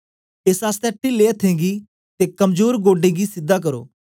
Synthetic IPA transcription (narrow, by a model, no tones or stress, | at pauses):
esaːst̪ɛːʈileːət̪ʰːẽːɡiː | t̪eːkəmd͡ʒoːɾɡoːɖẽːɡiːsɪd̪ːaːk̬əɾo̰ː